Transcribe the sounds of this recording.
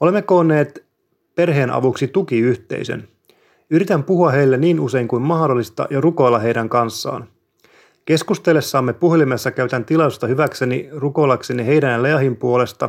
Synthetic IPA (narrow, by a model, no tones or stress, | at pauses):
ole̞mːeko̞ːnːe̞ːt̪ | pe̞rɦe̞ːnɑ̰ʋuksit̪ukiyht̪e̞̰isø̰n | yɾit̪æmpuhuɑɦe̞jlːeniːnuse̞iŋkujmmɑhdo̞lːist̪ɑ̰jɑruko̞jlːɑɦe̞jdæŋkɑnsːɑ̰ːn | k̟e̞skust̪elːesːɑːmːepuhlimesːɑkæyt̪ænt̪ilɑust̪ɑhyʋækse̞niruko̞jlːɑkse̞niɦe̞jdænjɑleɑhimpuo̞le̞st̪ɑ